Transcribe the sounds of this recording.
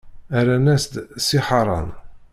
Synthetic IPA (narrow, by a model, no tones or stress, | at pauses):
æɾænæsd̪siħɑɾˤɑ̰n